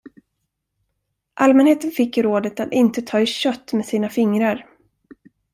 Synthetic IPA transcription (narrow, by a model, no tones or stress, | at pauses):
ʔalmɛnheːt̪ənfɪkːɾoːd̪ət̪at̪ɪnt̪ət̪ʰɑːɪɕœt̪ːmeːsiːnafɪŋɾaɾ